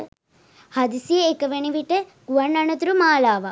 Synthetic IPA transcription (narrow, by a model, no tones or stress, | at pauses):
hɐd̪isijeekɐʋeɳiʋiʈəɡuʋɐɳːɐɳɐt̪uɾumaːlaːʋa